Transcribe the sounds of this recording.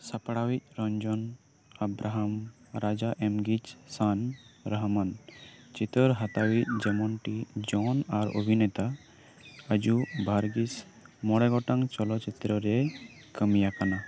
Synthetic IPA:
sapɽawit̪̚ˀɾɔɲd͡ʒɔn | abɾaɦam | ɾad͡ʒaʔɛmɡid͡ʒsanɾaɦmant͡ʃit̪ɔɾɦat̪awit̪̚ˀd͡ʒɛmɔnʈid͡ʒɔnaɾo̰bʱinɛt̪a | əd͡ʒubʱaɾɡis | mɔɽɛɡɔʈaŋt͡ʃɔlɔt͡ʃit̪ɾɔɾɛ | kəmijakana

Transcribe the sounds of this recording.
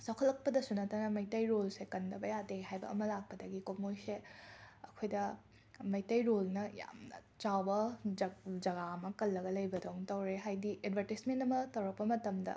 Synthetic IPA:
sawkʰɐlːɐk̚pɐdɐsunɐtanɐmɐjtɐjɾolsekɐndɐbɐjadeɦajbɐ̰ːmɐlak̚pɐdɐɡikomojseɐkʰojdɐ | mɐjtɐjɾolnɐja̰mnɐ̰ | t͡ʃawbɐ | d͡ʒɐɡamɐkɐlːɐɡɐlɐjbɐdɐwŋtɐwɾeɦajdiʔedbʱɐɾtismentɐmɐtɐwɾɐk̚pɐmɐtɐmdɐ̰

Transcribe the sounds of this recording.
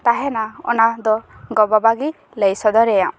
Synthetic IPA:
t̪aɦɛnaɔ̰nad̪ɔɡɔbabaɡi | lejsɔd̪ɔɾejã

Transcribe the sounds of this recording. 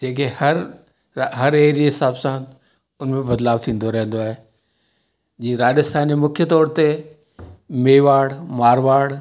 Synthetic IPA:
d͡ʑeːk̬ehɐɾ | ɦɐɾeːɦɾiɦɪsaːbsã | ʊnmẽbɐd̪laːbt̪ʰĩːn̆d̪oɾɐɦẽn̆d̪oaːɦe | d͡ʑĩːɾaːɗɪst̪ʰaːnd͡ʑemʊkʰjət̪ɔːɾt̪e | meːʋaːɽmaːɾʋaːɽ

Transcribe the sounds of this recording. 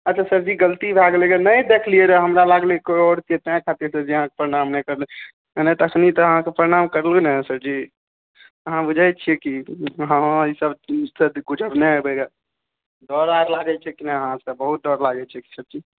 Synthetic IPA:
ətːt͡ʃʰasəɾd͡ʒiɡəlt̪ibʱaɡlekenəjd̪ekʰlieɾɛɦəmɾalaɡlikooɽt͡ʃiet̪jãkʰat̪iɾsəɾd͡ʒiəɦãke̥pəɾeɽamnɛkəɾle | nɛt̪əkʰnit̪ɔəɦãkepəɾeɽamkəɾlonɛsəɾd͡ʒi | əɦãbud͡ʒʱajt͡ʃʰijekiəɦãisəbsəd̪ɡud͡ʒəɾneɦebɛɡa | d̪ɔɾaɾlaɡɛt͡ʃʰɛkinaəɦãsəbəɦut̪̚d̪ɔɾlaɡɛt͡ʃʰɛki̥səb̚t͡ʃi

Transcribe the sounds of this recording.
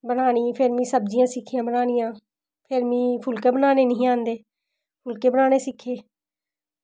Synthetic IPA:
bənaːɽ̃iːpʰɪɾmĩːsəb̚d͡ʒɪjãːsɪkʰːijãːbənaːɽɪijãː | pʰɪɾmĩːpʰʊlkeːbənaːneːnəĩːãːnd̪eː | pʰʊlkeːbənaːñeːsɪkʰːeː

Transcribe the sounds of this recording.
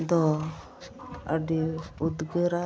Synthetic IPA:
d̪ɔ | a̰ɖiud̪ɡəɾa

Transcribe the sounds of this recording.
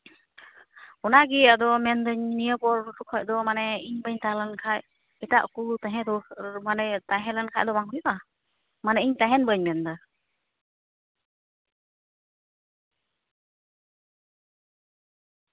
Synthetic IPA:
ɔnaɡiad̪ɔmɛnd̪əɲnijəbɔɾʈukʰɔc̚d̪ɔmanɛiɲbəɲt̪alankʰaj | ɛʈaʔkulut̪ãɦɛ̃d̪ɔmanɛt̪aɦɛ̃lankʰa̰ʔ̚d̪ɔbaŋujɔʔa | manɛiɲt̪aɦɛnbəɲmɛnd̪ə

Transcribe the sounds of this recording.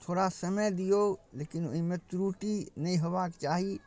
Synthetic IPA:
t̪ʰoːɾasəməjd̪ijoleːkino̰ɦĩmẽt̪ɾuʈinəĩɦobakt͡ʃaːɦi

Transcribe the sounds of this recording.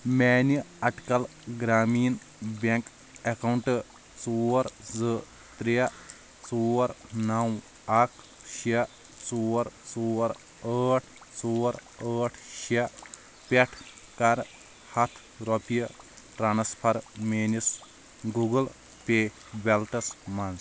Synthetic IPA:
meːniɐʈkɐl | ɡɾaːmiːn | beŋk | ekɐwɳʈɨ | t͡suːɐɾzɨ | t̪ɾiɐ | t͡suːɐɾnɐw | ɐkʰ | ʃɐ | suːɐɾsuːɐɾ | əːʈʰ | suːɐɾ | əːʈʰʃɐ | pʲɐʈʰkɐɾ | hɐt̪ʰ | ɾɔpijɐ | ʈɾaːnspʰɐɾmeːnis | ɡuɡɐl | peː | belʈɐsmɐns

